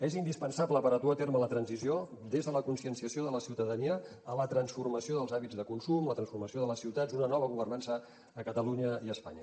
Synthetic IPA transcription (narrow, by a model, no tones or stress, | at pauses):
ezind̪ispənsabləpəɾət̪uət̪ermələt̪ɾənziziod̪ezðələkunsiənsiəsioðələsiwt̪əðəniəː | lət̪ɾənsfurməsioðəlˠzaβid͡zðəkunsumlət̪ɾənsfuɾrməsioðələsiwt̪ad͡zunənɔβəɣuβ̞ərnansəː | kət̪əluɲəiəspa̰ɲə